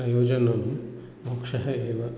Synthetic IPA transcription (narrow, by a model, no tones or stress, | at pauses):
ɐjoːd͡ʒɐnɐm | mukʂɐɦɐeːʋɐ